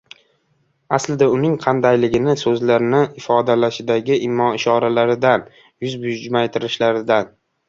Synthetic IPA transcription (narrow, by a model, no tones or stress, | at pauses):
aslɪd̪aʊnɪŋqʰɑnd̪ajlɪɡʲɪnɪsɵzlaɾɪnɪʔɪfɒd̪alaʃɪd̪aɡʲɪʔɪmːɒɪʃɒɾalaɾɪd̪an | jʊzbʊd͡ʒmajt̪ʰɪɾɪʃlaɾɪd̪an